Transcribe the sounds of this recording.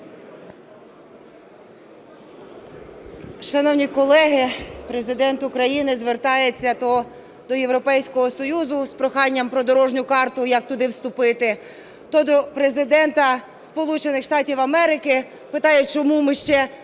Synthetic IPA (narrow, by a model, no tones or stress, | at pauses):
ʃɐnɔwnʲikɔlˠɛɦɪpɾezɪd̪ɛnt̪ʊkɾɐjinɪzʋert̪ɑjet͡sʲːɐɔ | d̪ɔjewɾɔpɛjsʲkɔɦɔsɔjuzʊspɾɔxɑnʲːɐmpɾɔd̪ɔɾɔʒnʲʊkɑrt̪ʊjɐk̚t̪ʊd̪ɪwst̪ʊpɪt̪ɪ | t̪ɔd̪ɔpɾezɪd̪ɛnt̪ɐ | spɔlˠut͡ʃenɪxʃt̪ɑtʲiwɐmɛɾɪkɪ | pɪt̪ɑjɛt͡ʃɔmumɪʃt͡ʃɛ